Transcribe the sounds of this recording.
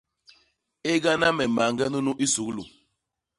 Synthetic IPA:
e˦ɡa˦na˦mɛ˨ma˨ŋɡɛ˦nu˦nu˦ʔi˦su˨˦klu˨

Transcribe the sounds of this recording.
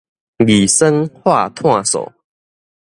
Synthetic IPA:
ɡi˨˩sə˦ŋhwa˥˧t̪ʰwã˥˨sɔ̰˨˩

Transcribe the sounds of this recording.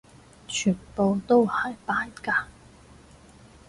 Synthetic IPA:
t͡ʃʰyː˨˩npo˨wt̪o˥whɐ˨jpaː˧˥jkaː˧

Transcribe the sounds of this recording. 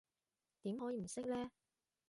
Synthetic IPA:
t̪iː˨˥mhɔː˨˥jiː˨˧m̩˨˩sɪ˥k̚lɛː˥

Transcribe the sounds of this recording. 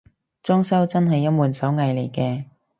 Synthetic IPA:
t͡sɔː˥ŋsɐ˥wt͡sɐ˥nɦɐ˨jːɐ˥t̚muː˨nsɐ˨˥wŋɐ˨˧jle˨˩jkɛː˧

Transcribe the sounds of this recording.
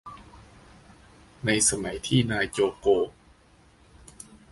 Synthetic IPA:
na˧jsa˧ma˩˦jt̪ʰiː˥˩naː˧jt͡ɕoː˧koː˧

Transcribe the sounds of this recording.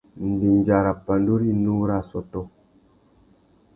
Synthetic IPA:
n̩˨di˨ɲ˨d͡ʒa˨ɾa˨pa˨n˦du˦ɾi˦nu˦ɾa˦˨sɔ˨tɔ˦

